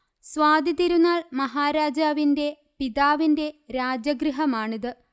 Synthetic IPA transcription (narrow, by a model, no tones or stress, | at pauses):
sʋaːd̪ʱit̪iɾunːaːɭmɐɦaːɾaːd͡ʑaːʋinde̞ | piðaːʋinde̞ɾaːd͡ʑjɐɡɾiɦɐmaːɳiðɨ